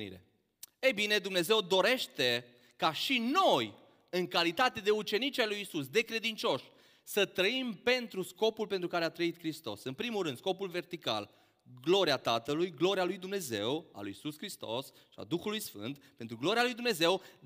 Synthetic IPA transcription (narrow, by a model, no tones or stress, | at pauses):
nḭɾḛ | e̞jbine̞d̪umne̞ze̞wd̪o̞ɾe̞ʃt̪e̞ | kaʃino̞j | ɨŋkalit̪at̪e̞d̪e̞ut͡ʃe̞nit͡ʃajlujːsus̬d̪e̞kɾe̞d̪int͡ʃo̞ʃ | sət̪ɾəimpe̞nt̪ɾusko̞pulpe̞nt̪ɾukaɾeat̪ɾəit̪kɾist̪o̞̰sɨnpɾimulɾɨnd̪sko̞pulve̞rt̪ika̰l | ɡlo̞ɾiat̪at̪əlujɡlo̞ɾialujd̪umne̞ze̞wa̰lujisuskɾist̪o̞̰s | ʃia̰d̪uxulujsfɨ̰nt̪pe̞nt̪ɾuɡlo̞ɾialujd̪umne̞ze̞w